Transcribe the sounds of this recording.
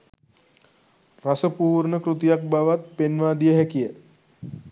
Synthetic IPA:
rasəpuːrnəkɾut̪ijak̚baʋat̪̚penʋaːd̪ijəɦækijə

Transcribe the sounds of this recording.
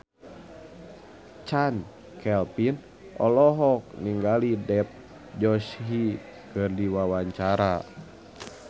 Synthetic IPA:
t͡ʃan | kɛlpin | ʔɔlɔɦɔk̚niŋɡalidɛp̚ | d͡ʒɔʃɦi | kɨrdiwawaɲt͡ʃaɾa

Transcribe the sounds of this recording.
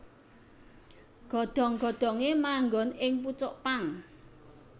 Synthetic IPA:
ɡ̥ɔ̤d̪̥ɔ̤ŋɡ̥ɔ̤d̪̥ɔ̤ŋemaŋɡɔnɪŋput͡ʃɔʔpaŋ

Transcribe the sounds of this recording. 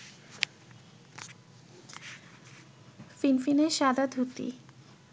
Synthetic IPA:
finfineɾʃad̪ʱad̪ʱut̪ḭ

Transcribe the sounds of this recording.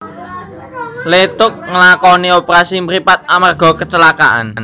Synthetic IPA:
let̪ʊk̚ŋəlakɔniopɾasimɾipat̪̚amarɡ̥ɔ̤kət͡ʃəlaka̰ʔa̰nn

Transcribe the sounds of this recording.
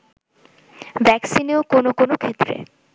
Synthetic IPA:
bɛksineokonokonokʰet̪ːɾḛ

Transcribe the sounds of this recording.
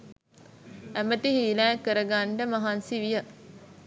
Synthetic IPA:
æməʈiɦiːlæːkəɾəɡaɳɖəmɐɦansiʋijə

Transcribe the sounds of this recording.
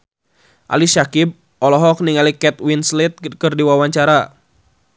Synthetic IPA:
ʔa̰liʃakib̚ | ɔlɔɦɔk̚niŋalikɛt̪̚winslit̪̚kɨrdiwawaɲt͡ʃaɾa

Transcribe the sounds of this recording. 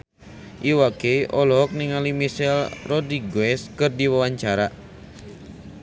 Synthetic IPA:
ʔiwakeʔɔlɔɦɔk̚niŋalimiʃɛlrɔd̪iɡwɛskɨrdiwawaɲt͡ʃaɾa

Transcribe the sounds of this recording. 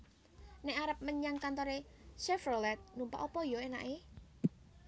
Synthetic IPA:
nɛʔaɾəp̚məɲaŋkant̪ɔɾeʃɛfərlɛt̪̚numpa̰ʔɔpɔjɔena̰ʔe

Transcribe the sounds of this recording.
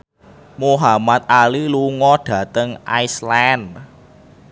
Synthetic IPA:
moɦamat̪̚aliluŋɔɖ̥ä̤t̪əŋʔa̰jsland

